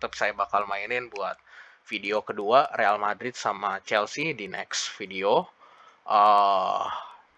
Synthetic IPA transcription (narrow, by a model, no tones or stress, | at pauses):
t̪əp̚sajabakalmaɪnɪnbua̰t̪̚ | fideokəduarealmadɾɪt̪̚samat͡ʃɛlsidinɛ̰ksfideo | ʔə